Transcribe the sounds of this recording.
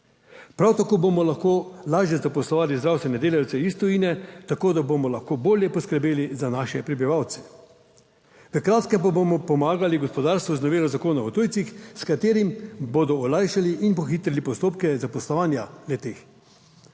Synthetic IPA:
pɾawt̪akoːbomɔlaxkoːlaːʒjɛzapɔslɔʋaːlizd̪ɾawst̪ʋɛnɛd̪eːlaw̪sɛist̪ɔiːnɛt̪akoːd̪abomɔlaxkoːboːljɛpɔskəɾbeːlizanaːʃɛpɾɛbiʋawt̪sɛ̥ | ʋəkɾaːt̪kɛmpabomɔpɔmaːɡaliɡɔspɔd̪aːɾst̪ʋuznɔʋeːlɔzakoːnaɔt̪oːjt̪sixskat̪eːɾimbod̪ɔɔlajʃaliʔinpɔxiːt̪ɾɛlipɔst̪oːpkɛzapɔslɔʋaːnjalɛt̪eːx

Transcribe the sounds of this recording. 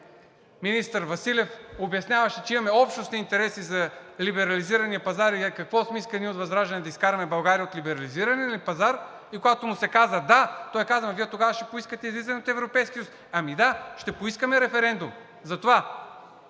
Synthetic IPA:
minist̪əɾvɐsilʲɛfobjɐsnʲavɐʃɛt͡ʃɛimɐmɛɔpʃnosnʲint̪ɛɾɛsizɐlibɛɾɐliziɾɐniəpɐzaɾikɐkvɔsmɛiskɾɛnʲiot̪vɐzɾaʒɐnɛd̪ɐiskaɾɐmɛbɐlˠɡaɾijəot̪libɛɾɐliziɾɐniəlipɐzaɾ | ikoɡat̪omʊsɛkazəd̪at̪ɔjɛkazvənviɛt̪oɡavɐʃt̪ɛpoiskət̪ɛizlizɛnʲot̪ɛvɾopɛjskʲisus | ɐmid̪aʃt̪ɛpoiskəmɛɾɛfɛɾɛnd̪um | zɐt̪ova

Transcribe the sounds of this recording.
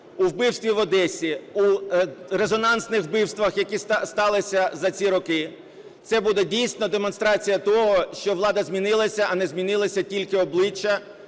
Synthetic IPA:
uwbɪwst̪ʋʲiʋɔd̪ɛsʲiuɾezɔnɑnsnɪxbɪwst̪ʋɐxjɐkisst̪ɑlˠɪsʲɐzɐt͡sʲiɾɔkɪ | t̪sɛbud̪ɛdʲijsʲnɔd̪emɔnst̪ɾɑt͡sʲijɐt̪ɔɦɔʃt͡ʃɔʋlˠɑd̪ɐzʲmʲinɪlˠɐsʲɐʔɐnɛzmʲinɪlˠɐsʲɐtʲilʲkɪɔblˠɪt͡ʃːɐ

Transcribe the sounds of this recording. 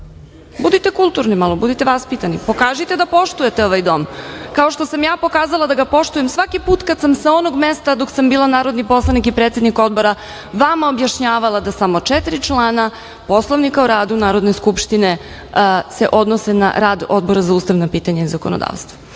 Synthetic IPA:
bud̪it̪ekulˠt̪uɾnimalˠobud̪it̪eʋaspit̪anipo̞kaːʒit̪e̞d̪apo̞ʃt̪uje̞t̪eo̞ʋajd̪o̞mkao̞ʃt̪o̞samjaːpo̞kaːzalˠad̪aɡapo̞ʃt̪ujemsʋakipuːt̪kad̪samsao̞no̞ɡmest̪ad̪o̞ksambiːlˠanaːɾo̞d̪nipo̞slˠanikipɾet̪sʲed̪niko̞d̪bo̞ɾa | ʋamaobjaʃɲaːʋalˠad̪asamo̞t͡ʂɛt̪ɾit͡ʃlˠaːna | po̞slˠoʋnikaoɾaːd̪unaːɾo̞d̪ne̞skupʃt̪ine̞ | se̞ʔo̞d̪nose̞na̰ɾaːd̪od̪̚bo̞ɾazauːst̪aʋnapiːt̪aɲaizako̞̰nod̪a̰ːʋst̪ʋo

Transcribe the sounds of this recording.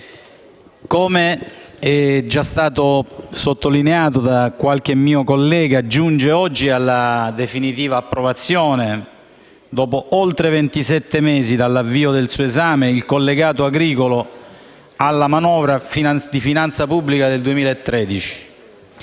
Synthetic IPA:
komeɛd͡ʒːast̪aːt̪osot̪ːolineaːt̪od̪akwalk̟emːiːokolːɛːɡad͡ʒːund͡ʒeɔd͡ʒːialːad̪efinit̪iːvaːpːɾovat̪sːjɔːne | d̪ɔːpoʔolt̪ɾevent̪isɛt̪ːemeːzid̪alːavːiːod̪elsuːoezaːmeilkolːeɡaːt̪oaɡɾiːkolo | alːamanɔːvɾafinad̪ifinant̪sapubːlikad̪eld̪uemiːlaet̪ːɾɛːd̪it͡ʃi̥

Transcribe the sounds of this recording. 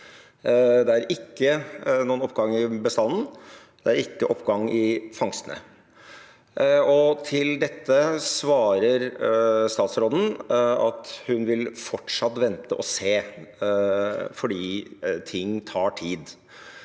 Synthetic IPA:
d̪ɛæɾɪkːənuːənɔpɡɑŋːɪbəst̪ɑnːn̩ | d̪̥ɛæɾɪkːəʔɔpːɡɑŋɪfɑŋst̪ənə̰ | ɔt̪ʰɪld̪ɛt̪ːəsʋɑːɾəɾst̪ɑːt̪sɾoːd̪n̩ɑt̪hʉnʋɪlfɔʈʂɑt̪ːʋɛnt̪əʔɔseː | fɔɖiːt̪ʰɪŋːt̪ʰɑːʈʰiːd̪

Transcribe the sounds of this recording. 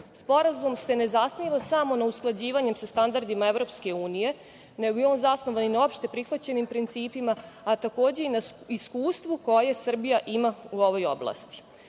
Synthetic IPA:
spo̞ɾazumse̞ne̞zasmiʋasamo̞nausklˠad͡ʑiːʋaɲe̞msast̪and̪aɾd̪imaevɾo̞ːpske̞uːnije̞ | neɡojeo̞ːnzasno̞ʋaninao̞pʃt̪e̞pɾixʋat͡ɕe̞nimpɾint̪siːpimaːt̪ako̞ːd͡ʑe̞inaiskuːst̪ʋuko̞je̞sr̩bijaʔimauo̞ʋo̞jo̞̰blˠa̰st̪i̥

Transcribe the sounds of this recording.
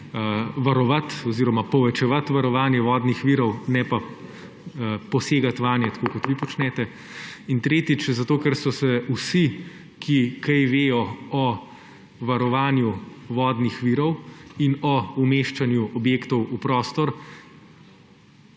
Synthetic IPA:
ʋaɾɔʋat̪ɔziːɾɔmapɔʋɛt͡ʃɛʋat̪ʋaɾɔʋaːnjɛʋɔːd̪nixʋiːɾɔwnɛpa | pɔseːɡat̪ʋaːnjɛt̪ḁkokɔt̪ʋipɔt͡ʃnɛt̪ɛ | int̪ɾeːt̪it͡ʃzat̪oːkɛɾsɔsɛusi | kʰikɛjʋeːjɔɔ | ʋaɾɔʋaːnjuʋɔːd̪nixʋiːɾɔwinɔumeːʃt͡ʃanjuʔɔbjeːkt̪ɔwupɾɔːst̪ɔɾ

